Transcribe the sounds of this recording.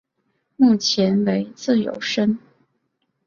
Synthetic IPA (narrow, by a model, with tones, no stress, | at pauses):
mu˥˩t͡ɕʰjɛ˧˥nwe˧˥ɪt͡sɹ̩˥˩jo̰˨˧˩ʊʂə˥n